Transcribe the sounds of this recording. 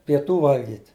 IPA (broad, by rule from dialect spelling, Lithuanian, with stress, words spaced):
pʲiɛˈtuː ˈʋɐlʲɡʲiːt